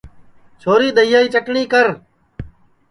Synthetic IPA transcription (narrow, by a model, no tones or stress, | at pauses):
t͡ʃʰoːɾiːd̪əɪjaːiːt͡ʃəkɳiːkəɾ